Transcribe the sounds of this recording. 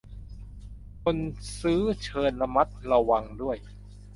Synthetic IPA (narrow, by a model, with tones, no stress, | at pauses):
kʰo˧nsɯː˦˥t͡ɕʰɤː˧nla˧ma˦˥t̪̚ɾa˧wa˧ŋdu˥˩əj